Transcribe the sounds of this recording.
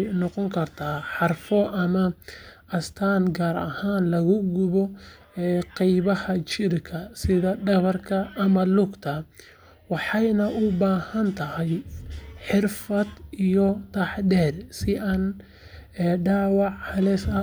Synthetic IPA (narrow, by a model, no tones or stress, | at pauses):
nɔqɔŋkʰɐrt̪ʰaːħɑrfɔʔɐmɐʔɐst̪ʰaːnɡaːɾɐ̰haːnlɐɣʊɡʊβɔ | ɛqɑjβɐhɐt͡ʃɪrkʰɐsɪðɐɖɐβɐrkʰɐʔːmɐlʊɡt̪ʰɐ | wɑħɑjnɐʔʊbaːhɐnt̪ʰɐhɐjħɪrfɐd̪ijɔt̪ʰɐħdɛːrsɪʔaːn | ɛɖaːwɑʕhɐlɛːsɐ